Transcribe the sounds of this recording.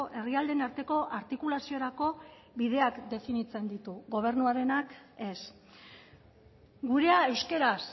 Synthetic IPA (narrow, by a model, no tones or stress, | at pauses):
ʔe̞riald̪enaɾt̪e̞ko̞ʔaɾt̪ikulasio̞ɾako̞ | βið̞e̞akd̪e̞finit͡se̞nd̪it̪uɣo̞β̞e̞ɾnuaɾe̞nake̞s | ɡuɾe̞ae̞wske̞ɾas